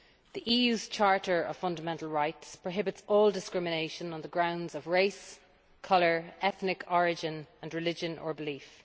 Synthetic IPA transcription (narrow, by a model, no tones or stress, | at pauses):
ðiʔiːjʉːz̥t͡ʃʰaɹɾə˞ə̰v̥fʌ̃ndəmɛ̃ntəlˠɹaɪtspʰɹ̥əɦɪbɪtsɔːlˠdɪskɹɪmɪneɪʃə̃nə̃nðəɡɹãʊ̃ndzəvɹeɪs | kʰʌlə˞ɛθnɪkʰɔɹɪd͡ʒɪ̃nə̃nɹɪlɪd͡ʒə̃nʔə̰˞bɪliˑf